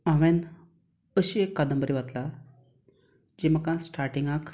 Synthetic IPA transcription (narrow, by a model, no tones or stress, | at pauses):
ãʋɛ̃n | əɕiekːad̪əmbəɾiʋat̪la | d͡ʑiməkãsʈaɾʈĩŋɡak